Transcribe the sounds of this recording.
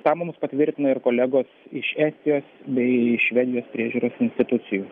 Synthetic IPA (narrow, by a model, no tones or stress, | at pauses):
t̪ɑːmʊmʊspɐt̪ʲʋʲɪɾʲt̪ʲɪnɐɪɾkoːlʲæɡoːsɪʃæːsʲt̪ʲɪjoːsbʲɛɪɪʃʃʲʋʲɛd̪ʲɪjoːspʲɾʲiɛʒʲuːɾoːsɪnʲst̪ʲɪt̪ʊt̪sʲɪjuː